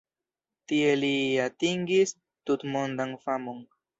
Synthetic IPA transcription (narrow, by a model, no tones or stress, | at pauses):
tie̞liatiŋɡis | tutmondanfamo̞n